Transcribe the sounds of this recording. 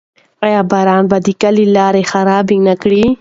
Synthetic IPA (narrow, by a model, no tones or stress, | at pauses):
ajɑːbɑɾɑːnbad̪ikalilɑːɾexaɾɑːbinakɽi